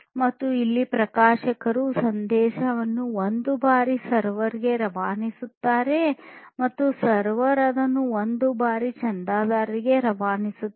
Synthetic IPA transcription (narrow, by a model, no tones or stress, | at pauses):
mɐt̪ːuilːipɾɐkaːʃɐkɐɾusɐnd̪ɛːʃɐʋɐnːuond̪ubaːɾisɐɾʋɐɾiɡe̞ɾɐʋaːnisut̪ːaːɾe̞mɐt̪ːusɐɾʋɐɾɐd̪ɐnːuond̪ubaːɾit͡ʃɐnd̪aːd̪aːɾɾiɡe̞ɾɐʋaːnisu